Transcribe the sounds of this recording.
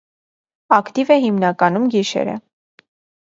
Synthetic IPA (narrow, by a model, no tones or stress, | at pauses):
ɑkt̪ivɛɦimnɑkɑnumɡiʃɛ̰ɾə̰